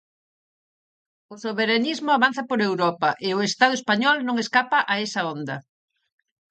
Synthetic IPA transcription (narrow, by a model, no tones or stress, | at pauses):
osoβeɾanizmʊaβan̟θɐpoɾewɾɔpɐʔɪʊest̪að̞ʊespaɲɔlnõŋeskapɐʔaesɐond̪ɐ